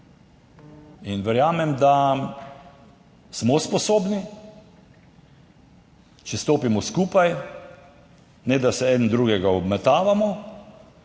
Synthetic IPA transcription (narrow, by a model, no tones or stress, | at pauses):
inʋɛɾjaːmɛmd̪a | smɔspɔsoːbni | t͡ʃɛst̪oːpimɔskuːpaj | nɛd̪asɛɛd̪nd̪ɾuːɡɛɡaɔbmɛt̪aːʋamɔ